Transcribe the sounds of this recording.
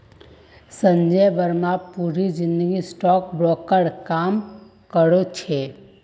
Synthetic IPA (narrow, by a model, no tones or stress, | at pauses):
sə̃ɲd͡ʒəjbəɾmapuːɾid͡ʒɪ̃nd̪əɡisʈɔːkbɾɔːkəɽkaːm | kəɽot͡ʃʰe